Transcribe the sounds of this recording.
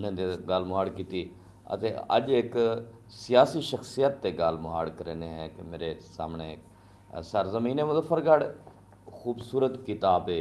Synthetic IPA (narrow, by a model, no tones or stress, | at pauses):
nẽːd̪eɡəlmʊɦaːɽkiːt̪iː | ə̰t̪eːə̰d͡ʒɪk | sɪjaːsiːʃəxsijət̪ːeːɡəlmʊɦaːɽkəɾeːneːɦɛːkɪmeːɾesa̰ːmɳeːk | səɾzəmiːneːmʊzəfʰəɾɡəɽ | xuːbsuːɾət̪kit̪aːpeː